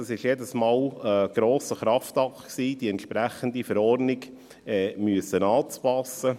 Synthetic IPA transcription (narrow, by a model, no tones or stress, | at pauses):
ɑsɪʃjedəsmɑːləɡ̥ɾoːsəχɾɑft̪ɑkχksiːd̥̪iɛnt̪ʃpɾæχənd̪ifəɾɔrnɪɡ | ɛːmyəsːənɑːt͡spɑsə